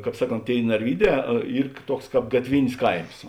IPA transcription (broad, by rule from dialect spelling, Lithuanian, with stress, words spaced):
ˈkɑːp ˈsɑːˌkoːnt ˈtʲeːɪ nɐrʲˈʋʲiːˌdʲɛː ˈiːr ˈtuɔks ˈkɑːp ɡɐtʲˈʋʲɪnʲɪs ˈkɐɪms